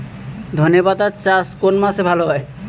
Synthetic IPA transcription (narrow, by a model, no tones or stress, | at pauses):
d̪ʱonjobad̪at͡ɕaskonmasebʱaloɦɔe